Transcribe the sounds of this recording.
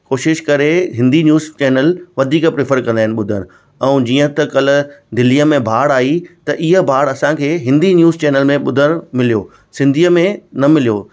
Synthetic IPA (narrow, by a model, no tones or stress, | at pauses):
koːʃɪʃkɐɾeɦɪ̃nd̪injuːzt͡ɕɛːnəlʋɐd̪ʱiːkəpɾɪfəɾkɐ̃nd̪aːɦɪ̃nɪɓʊd̪ʱəñ | ɛ̃ũd͡ʑiːə̃t̪ɐkɐl̤ʊ̆d̪ɪliəmẽbʱaːɽaːit̪ɐʔɪɦə̆bʱaːɽɐsãkʰeːɦɪ̃nd̪injuːzt͡ɕɛːnəlmẽɓʊd̪ʱəɽ̃mɪlijoː | sɪ̃nd̪ʱiːəmẽnɐmɪlijoː